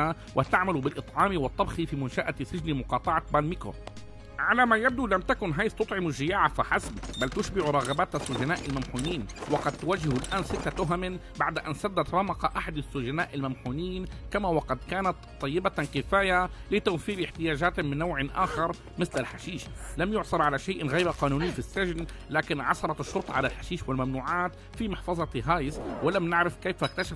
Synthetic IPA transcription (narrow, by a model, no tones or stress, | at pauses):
a | wʔɪt̪aʕmalubɪlʔɨt̪ˤʕɑːmiwɑt̪ˤːɑbxifimʊnʃaʔasɪʒnɪmʊqɑːt̪ˤɑʕɑbaːlmiːkɾo̰ | ʕalamajab̚d̪ulamt̪akʊnɦajθt̪ʊt̪ˤʕɪmʊʒɪjaːʕafaħasbbalt̪ʊʃbɪʕuɾˤɑɣabaːt̪sːʊʒanaːʔalmamħuːniːnwɑqɑd̪̚t̪ʊwaʒːɪhʊlʔaːnsɪt̪ːat̪ʊɦamnbaʕd̪ʔa̰nsad̪ːat̪ɾˤɑmɑqɑʔaħad̪asːʊʒanaːʔalmamħuːniːnkamawɑqɑd̪kaːnat̪t̪ˤːɑjːɪbakɪfaːjalɪt̪awθiːɾɪħt̪ɪjaːʒaːt̪mɪnːawʕɪnʔaːxɑɾˤ | mɪθlɪlħaʃiːʃlamjʊʕsˤɑɾˤʕalaʃajʔɣajɾaqɑːnuːniːfisːɪʒnlaːkɪnʕɑsɑɾˤɑt̪ɪʃːʊɾt̪ˤʕalalħaʃiːʃwɪlmamnuːʕaːt̪ | fimɑħfɑðˤɑt̪ɦɑjswɪlamnɪʕɾɪfkeːfɪk̚t̪aʃa